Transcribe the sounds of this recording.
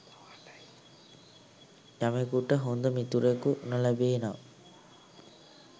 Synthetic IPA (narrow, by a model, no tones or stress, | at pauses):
k̪amekuʈəɦond̪əmit̪uɾekunəlæbeːnaː